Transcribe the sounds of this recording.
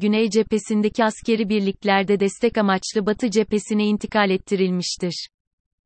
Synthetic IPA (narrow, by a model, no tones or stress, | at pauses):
ɟynejd͡ʒe̞pe̞sind̪ecʰiascʰe̞ɾibiɾlʲiclʲæɾd̪ɛd̪ɛst̪ʰɛcamat͡ʃlˠɯbat̪ʰɯd͡ʒe̞pe̞siniint̪ʰikʰalʲɛt̪ʰːiɾilʲmiʃt̪ʰiɾ̥